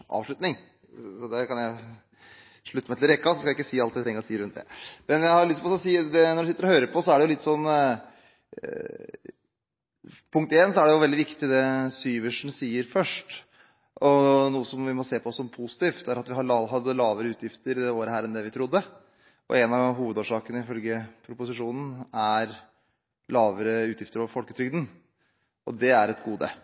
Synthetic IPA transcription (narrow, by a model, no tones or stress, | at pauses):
ʔɑ̰ːʋʂɭʉt̪nɪŋ | sɔd̪ɛkʰɑnjæɪ | ʂɭʉt̪ːmæɪl̩ɾɛkːɑsɔskɑjæɪkːəsiːɑlt̪ɛt̪ɾɛŋːəɾɔsiːəɾʉnt̪d̪ɛ̰mɛnjæɪhɑɾʊlɪsmɔsɔsiːd̪ɛnɔɖʉsɪt̪ːəɾɔhøːɾəpʰɔsɔæɖɛjʊlɪt̪ːsɔnː | pʰʊŋk̚t̪eːnsɔæɖɛjʊʋɛld̪ɪʋɪkt̪ɪd̪ɛsyːʋəʂɳ̩siːəɾfœʂʈ | ʔɔnuːəsɔmʋɪmɔseːpʰɔɔsːɔmpʰʊsɪ̥t̪ʰiːft̪̚d̪ɛæɾɑt̪ʋɪhɑɑɦɑd̪ːəlɑːʋəɾəʉːt̪jɪft̪əɾɪd̪ɛoːɾəɦæːɾɛnd̪ɛʋɪt̪ʰɾʊd̪ːə | ɔ̰ʔɛnɑʋɦuːʋəd̪oːʂɑːkənəɪfœlɡəpʰɾʊpʊsɪʂuːnn̩æɾ | lɑːʋəɾəʉːt̪jɪft̪əɾɔʋəɾfɔlkət̪ʰɾʏɡd̪n̩ | ɔd̪ɛæɾɛt̪ɡuːd̪ə̰